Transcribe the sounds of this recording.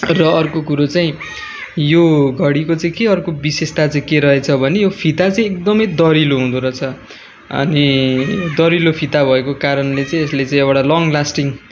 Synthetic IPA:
rʌʌrkokuɾot͡saĩ | joɡʱʌɽikot͡saĩkeʌrkobisest̪at͡saĩkeɾʌɦet͡sʰʌbʱʌnejopʰit̪at͡saĩek̚d̪ʌmʌjd̪ʌɾiloɦũd̪uɾʌt͡sʰʌ | ʌ̰ni | d̪ʌɾilopʰit̪abʱʌekokaɾʌnlet͡saĩeslet͡saĩʌwʈalʌŋlasʈiŋ

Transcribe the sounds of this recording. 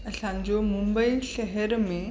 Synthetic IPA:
ɐsãɲd͡ʑomʊ̃mbəiʃɛɦəɾmẽ

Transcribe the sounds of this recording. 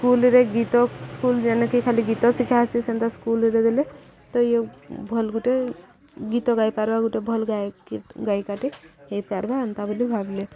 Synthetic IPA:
skulɾeɡit̪ɔskuld͡ʒanekikʰaliɡit̪ɔsikʰasisent̪askulɾed̪elet̪ɔjebʱɔlɡuʈe | ɡit̪ɔɡajpaɾbaɡuʈebʱɔlɡakɡajkaʈeɦepaɾbaənt̪abʱolibʱable

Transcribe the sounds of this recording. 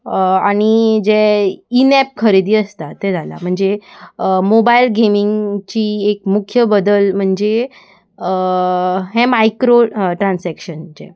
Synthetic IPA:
aɽ̃id͡ʑeinɛp̚kʰəɾid̪iːəst̪at̪ed͡zʱala̰m̤əɳd͡ze | mobailɡemiŋɡt͡ɕiːekmukʰjəbəd̪əlm̤əɳd͡ze | ɦemajkɾoʈɾansækɕənd͡ʑḛ

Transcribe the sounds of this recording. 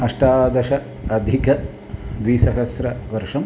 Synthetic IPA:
ɐʂʈaːd̪ɐʃɐ | ɐd̪ʱikɐ | d̪ʋiːsɐɦɐsɾɐʋɐɾʂɐm

